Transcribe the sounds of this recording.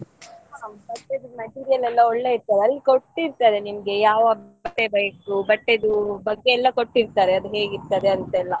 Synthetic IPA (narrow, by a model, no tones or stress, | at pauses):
ɦabɐʈːid̪umɐʈiːɾijɐlɛlːɐoɭːe̞iɾt̪aːɾeɐlːikoʈːiɾt̪ɐd̪e̞nimɐɡe̞jaːʋɐbɐʈːebeːkubɐʈːid̪ubɐɡːeːlːɐko̞ʈːiɾt̪aːɾeɐd̪uɦe̞ːɡiɾt̪ɐd̪e̞ɐnt̪ɐɛlːɐ